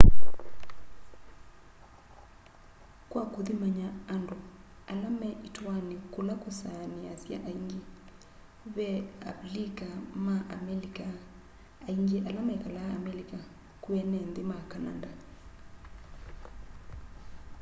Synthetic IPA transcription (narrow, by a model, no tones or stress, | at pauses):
kwakoðimaɲaːndo | alamɛʔitwanekolakosaneasja̰ʔaiŋɡe | βɛa̰likamaʔa̰mɛlika | aiɲɡeʔalamɛkalaːmɛlika | kuɛnɛndemakana̰nda